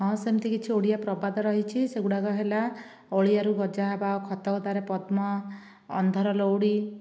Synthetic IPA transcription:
ɦɔ̃semt̪ʰikit͡ʃʰioɽijapɾɔbad̪ɔɾɔɦit͡ʃʰiseɡuɽaɡɔɦela | oɭijaɾuɡɔd͡ʒaɦabaokʰɔt̪ɔkd̪aɾepɔd̪mɔ̰ː | nd̪ʱɔɾɔlowɽi

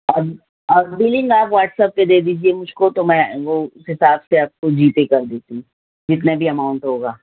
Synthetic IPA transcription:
ɔ | ɔːɾbiːlɪ̃ŋɡaːpʋaːʈsəp̚ked̪eːd̪iːd͡ʒiemʊd͡ʒʱkot̪omɛ̃ʋoʊsɦɪsaːbseaːp̚kod͡ʒiːt̪ekɐɾd̪eːt̪ĩ | d͡ʒɪt̪nabʱiɐmaːʊ̃ɳʈɦoːɡaː

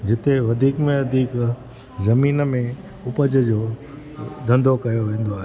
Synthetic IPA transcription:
d͡ʑɪt̪eʋɐd̪ʱiːkmẽʋɐd̪ʱiːk | zɐmiːnmẽ | ʊpəd͡ʑəd͡ʑoː | d̪ʱɐ̃nd̪ʱokɐjoʋẽːn̆d̪oaːɦe

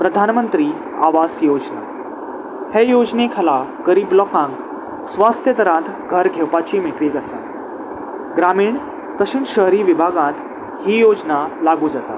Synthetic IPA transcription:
pɾəd̪ʱanmənt̪ɾiː | aʋasjod͡ʑna̰ | hejod͡znekʰalaɡəɾiːblɔkãŋk | sʋast̪ʰjət̪əɾãt̪ | ɡʱəɾɡʱewpat͡ɕimiʈʋiːɡəsã̰ | ɡɾamiːɳ | t̪əɕiːnɕəɦɾiːʋibʱaɡãt̪ | hiːjod͡znalaɡuːd͡zat̪a

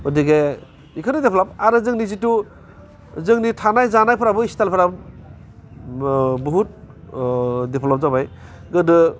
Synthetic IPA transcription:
ɔdiɡe | ikʰɯnɯdepʰlɔp̚aɾɯzɯŋnizitu | zɯŋnitʰanajzanajpʰɾabɯistalpʰɯɾab | buɦut̚ | depʰlɔp̚zabaj | ɡɯdɯ

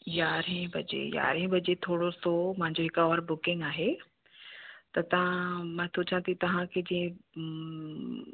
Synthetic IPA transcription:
jaːɾẽbʱɐd͡ʑḛja̰ːɾẽbɐd͡ʑet̪ʰoːɽosomãɦɪ̃ɲd͡ʑoɦɪkɔːɾbʊkɪ̃ŋɡaːɦe | t̪ɐt̪ɐʋ̤ãmãːt̪ʰʊt͡ɕʰãt̪ʰit̪ɐʋ̤ãkʰed͡ʑĩːẽ

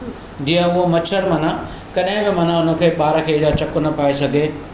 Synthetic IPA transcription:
d͡ʑĩːə̃ʊɦomɐt͡ʃʰəɾmɐna | kɐɗɦɪ̃bɪmɐnãʊnə̆kʰeːɓaːɾəkʰeːɽijat͡ɕɐkʊnɐpaːesɐɡʱeː

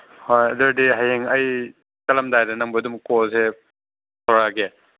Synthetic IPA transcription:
hojɐdɐɾdiɦajeŋɐj | kɐlɐmdajɾenɐŋbɯdumkose | tʰawɾaɡe

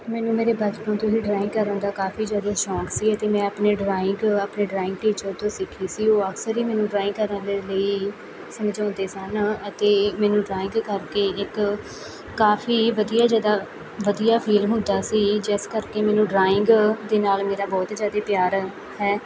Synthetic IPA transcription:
mɛːnũːmeːɾeːbət͡ʃpãːt̪oːɦiːɖɾaːɪ̃ŋɡkəɾə̃ːnd̪aːkaːfiːd͡ʒjaːd̪aːʃɔːksiːət̪eːmɛ̃ːəpneːɖɾaːɪŋɡaːpneːɖɾaːɪ̃ŋɡʈiːt͡ʃəɾt̪õːsɪkʰːiːsiːoːəksəɾiːmɛːnũːɖɾaːɪ̃ŋɡkəɾənleːləiː | səmd͡ʒãːnd̪eːsənət̪eːmɛːnũːɖɾaːɪ̃ŋɡkəɾkeːɪkː | aːfʰiːʋəd̪ijaːzjaːd̪aː | ʋəd̪ijaːpʰiːlɦʊ̃nd̪aːsiːd͡ʒɪskəɾkeːmɛːnũːɖɾaːɪŋɡd̪eːnaːlmeːɾaːbɔːt̪zjaːd̪eːpjaːɾ | hɛː

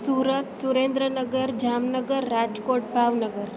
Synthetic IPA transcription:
suːɾət̪suɾend̪ɾənəɡəɾd͡ʒamnəɡəɾːad͡ʒkoʈ̚bʱaʋnəɡəɾ

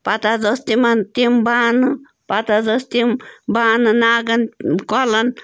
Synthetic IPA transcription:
pat̪ad̪ost̪imant̪imbanɨ | pat̪azost̪imbanɨnaɡankʷalan

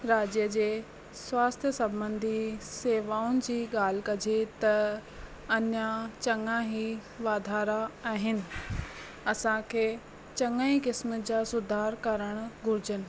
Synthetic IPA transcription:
ɾaːd͡ʑjəd͡ʑeː | swaːst̪ʰjəsɐ̃bə̃nd̪ʱiseːʋaːʊnɪ̆d͡ʑiːɠaːl̤ɪ̆kɐd͡ʑʱet̪ɐ | ɐɲãt͡ɕɐŋãɦiʋaːd̪ʱaːɾaaːɦɪnɪ̆ | ɐsãkʰeː | t͡ɕɐŋaĩkɪsməd͡ʑaːsʊd̪ʱaːɾkɐɾəɽ̃ɡʱʊɾɪd͡ʑənɪ̆

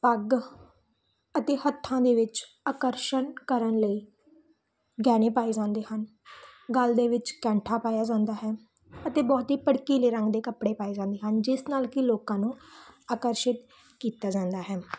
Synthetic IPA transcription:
pəɡ | ət̪eːhət̪ʰːãːd̪eːʋɪt͡ʃ | aːkəɾʃənkəɾənləiː | ɡɛːnẽːpaːiːd͡ʒãːnd̪eːhən | ɡəld̪eːʋɪt͡ʃkɛ̃ːɳʈʰaːpaːjaːd͡ʒãːnd̪aːɦɛː | ət̪eːbɔːt̪ɦiːpəɽkiːleːɾə̃ŋɡd̪eːkəpɽeːpaːeːd͡ʒãːnd̪eːɦənd͡ʒɪsnaːlkɪloːkãːnũːaːkəɾʃɪt̪ | kiːt̪aːd͡ʒãːnd̪aːɦɛː

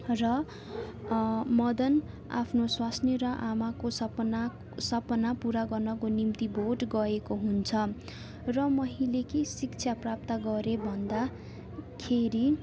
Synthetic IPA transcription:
rʌ | mʌd̪ʌn | a̰pʰnoswasneɾʌʔamakosʌpna | sʌpʌnapuɾaɡʌrnʌkonimt̪ibʱorʈɡʌekoɦunt͡sʰʌ | rʌmʌɦĩlekesikt͡sʰjaprap̚t̪ʌɡʌɾebʱʌnd̪a | kʰeɾi

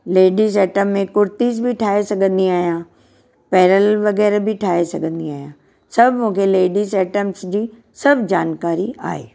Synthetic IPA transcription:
leːɖisɛːʈəmːẽkʊɾt̪izbʱɪʈʰaːɦesɐɡʱə̃nd̪iaːɦjãː | pɛːɾəlʋɐɣɛːɾbʱɪʈʰaːɦesɐɡʱə̃nd̪iaːɦijãː | sɐbʱmũːkʰeleːɖisɛːʈəmsd͡ʑiː | sɐbʱd͡ʑaːnkaːɾia̰ːɦḛː

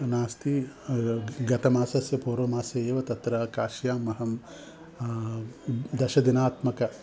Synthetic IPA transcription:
naːst̪i | ɡɐt̪ɐmaːsɐsjɐpoːɾoːmaːsjɐjeːʋɐt̪ɐt̪ɾɐkaːʃjaːmːɐɦɐm | d̪ɐʃɐd̪inaːt̪mɐkɐ

